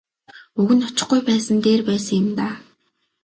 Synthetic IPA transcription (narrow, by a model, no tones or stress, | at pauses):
ɵɣɘ̆nɔt͡ɕɪ̆χɡujpæːsə̆nt̪eːrpæːsə̆ŋjɪ̆mt̪aː